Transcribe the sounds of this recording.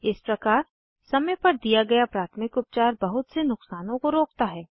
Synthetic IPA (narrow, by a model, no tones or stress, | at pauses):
ɪspɾɐkaːɾ | sɐməjpɐɾd̪ijaɡɐjapɾaːt̪ʰmɪkʊp̚t͡ʃaːɾbɐɦʊt̪senʊqsaːnõkoɾoːk̚t̪aɦɛː